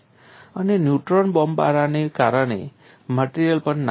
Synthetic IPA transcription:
ənenjuʈɾənbɔmba̰ɾanekaɾəɽ̃ḛ | məʈiɾijəlpəɳn

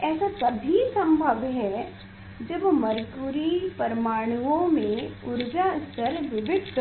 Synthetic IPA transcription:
ɛːsat̪ɐbʱisɐ̃mbʱəbɦɛ | d͡ʒɐbmɐɾkuɾipɐɾmaːɽ̃uʋõmẽʊɾd͡ʒast̪əɾʋɪʋɪd̪k

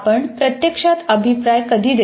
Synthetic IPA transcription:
pəɳpɾət̪jekʂat̪əbʱipɾajkəd̪ʱiːd̪e

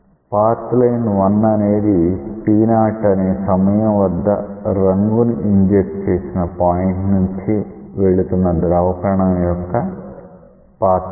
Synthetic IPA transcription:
paːɾt̪lɐjnʋɐnːɐneːd̪ispiːnaːʈɐneːsɐmɐjɐʋɐd̪ːɐɾɐŋɡunuʔiɲd͡ʒek̚ʈt͡ʃe̞ːsinɐpaːjeɳʈnuɲt͡ʃiʋe̞ɭut̪unːɐd̪ɾɐːʋɐkɐɾɐɳɐmjɔkːɐ | paːt̪

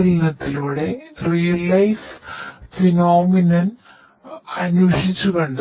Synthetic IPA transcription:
linɐt̪ːiluːɽe̞rijɐlɐjsfinoːminɐn | ɐnuʂit͡ɕːukɐɳɖ

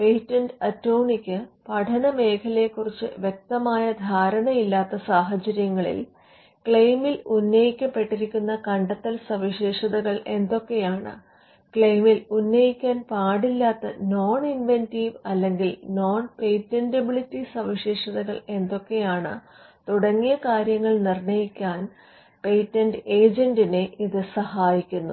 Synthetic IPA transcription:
pejtːɐnɖɐtːoːɳikʲːɨpɐʈʰɐnɐme̞ːkʰɐle̞kːurit͡ɕːɨ̰ʋjek̚t̪ɐmaːjɐd̪ʱaːɾɐɳɐjilːaːt̪ːɐsaːɦɐt͡ɕɐɾjɐŋːɐɭḭl | kɭejmilunːɐjikʲːɐpːe̞ʈːiɾikʲːunːɐkɐɳɖɐt̪ːɐlsɐʋiɕeːʂɐðɐɣɐɭe̞nd̪o̞kːe̞jaːɳɨ̰ | kɭejmilunːɐjikʲːaːnpaːɽilːaːt̪ːɐno̞ːɳinʋentiːʋɐlːe̞ŋɡilno̞ːnpe̞jtːendɐbiɭitːisɐʋiɕeːʂɐðɐɣɐɭe̞nd̪o̞kːe̞jaːɳɨ̰ | t̪uɽɐŋːijɐkaːɾjɐŋːɐɭnirɳɐjikʲːaːn | pe̞jtːɐnɖe̞ːd͡ʑɐnɖine̞ʔiðɨsɐhaːjikʲːunːṵ

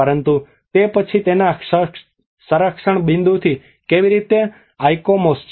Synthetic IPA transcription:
əɾənt̪u | t̪epət͡ʃʰit̪enaə | səɾəkʂəɳbɪ̃nd̪ʱut̪ʰi | keʋiɾit̪e | ajkomost͡ʃ

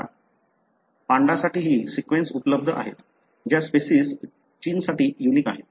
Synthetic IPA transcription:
pãɳɖasaʈiːɦiːsikʋẽnsupələb̚d̪ʱəʔa̰ɦḛt̪ | d͡ʑjaspesiːs | t͡ɕiːnsaʈiːjuniːka̰ɦet̪

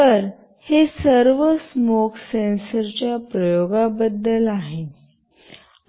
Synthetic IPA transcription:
t̪əɾ | hesəɾʋəsmokʰsensəɾt͡ɕjapɾəjoɡabəd̪ːəlaɦe

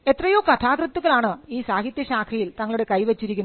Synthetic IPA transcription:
e̞t̪rɐjokɐt̪ʰaːɡrɨt̪ːuɣɐlaːɳɨiːsaːɦit̪jɐɕaːkʰɐjilt̪ɐŋːɐɭuɽe̞kɐjʋet͡ɕːiɾikʲːu

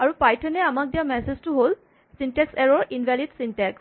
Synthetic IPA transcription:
aɹupajtʰɛnɛamak̚dijamɛseztʊɦol | sintɛksɛɹɔɹinbʱɛlidsintɛks

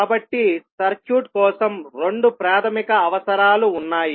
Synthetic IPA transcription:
bɐʈːisɐɾkjuːʈ̚kɔːsɐmɾe̞ɳɖupɾaːt̪ʰɐmikɐːʋɐsɐɾaːluːnːaːji

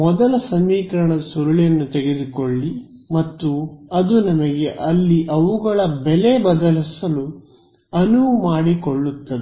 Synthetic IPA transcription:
mɔd̪ɐlɐsɐmiːkɐɾɐɳɐd̪ɐsuɾɐɭijɐnːut̪ɛɡe̞d̪ukoɭːi | mɐt̪ːuɐd̪unɐmɐɡe̞ʔɐlːiʔɐʋuɡɐɭɐbɛlebɐd̪ɐlisɐlu | ɐnumaːɽikoɭːut̪ːɐd̪e

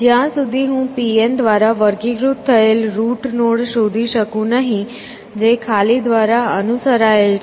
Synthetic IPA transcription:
d͡ʒjãsʊd̪ʱiɦũːpiend̪ʋaːɾaʋəɾɡiɡɾʊt̪ʰːəelɾuːʈnoːɽʃoːd̪ʱiʃəkũnəɦĩ | d͡ʒekʰaːlid̪ʋaːɾaənʊsəɾael

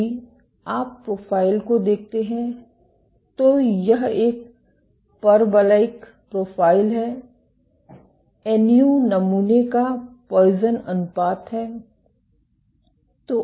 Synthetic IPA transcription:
i | aːpːɾoːpʰaːɪlkod̪eːk̚ʰt̪eɦɛ̃ | t̪ojɐɦeːk̚ | pɐɾbəlaɪk | pɾoːpʰaːɪlɦɛː | ɛːnijunɐmuːnekapɔːzənɐnʊpaːt̪ɦɛː | t̪o

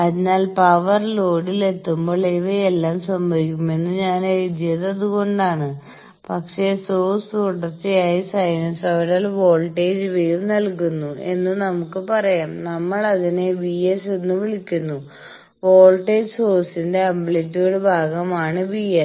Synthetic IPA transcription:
ɐðinaːlpɐʋɐrlo̞ːɽile̞t̪ːumbo̞ːɭeʋeelːaːmsɐmbʱɐʋikʲːume̞nːɨɲaːnd͡ʑijɐðɐðuɣo̞ɳɖaːɳɨ | pɐkʂe̞soːst̪uɽɐrt͡ɕːijaːjisɐjnɐnsɐʋiɾaːlʋo̞ːlʈːeːd͡ʑʋejrnɐlkunːue̞̰nːɨnɐmukːɨpɐrɐjaːmnɐmːɐɭɐðine̞ʋiesenːɨʋiɭikʲːunːu | ʋo̞ːlʈeːd͡ʑsoːsinde̞ɐmbletːoːɽebʱaːɡɐmaːɳɨbiːes

